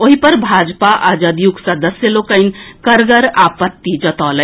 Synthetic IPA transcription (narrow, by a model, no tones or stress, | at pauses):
oɦipəɾbʱad͡ʒpaʔad͡ʒad̪juɡsəd̪əsjəlokəɪnkəɾɡəɾapət̪ːid͡ʒət̪ɔlə